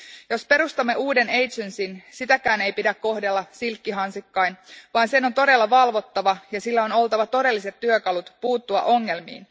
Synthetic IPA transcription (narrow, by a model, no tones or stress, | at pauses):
jo̞spe̞ɾust̪ɑmːe̞uːde̞ne̞jt̪sønsinsit̪ækæːne̞jpidækkːo̞ɦdelːɑsilkːiɦɑnsikːɑjnʋɑːnse̞not̪o̞ɾe̞lːɑʋɑlʋo̞t̪ːɑʋɑjɑsilːæo̞no̞lt̪ɑʋɑt̪o̞de̞lːiset̪ːyøkɑlut̪puːt̪ːuɑ̰ʔo̞ŋːe̞lmḭːn